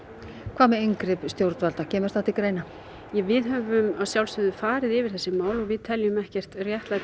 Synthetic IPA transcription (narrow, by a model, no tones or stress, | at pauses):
kʰv̥aːmɛejŋkɾɪpst̪jowɾt̪valt̪acʰɛːmʏɾ̥sθaht̪ɪkɾeːjna | jɛvɪðɦœvʏmaðsjawlst̪ʏːðʏfaːɾɪðɪvɪɾ̥θɛsːɪmaːwlɔɣvɪðt̪ʰɛljʏmɛhcɛr̥t̪rjɛht̪la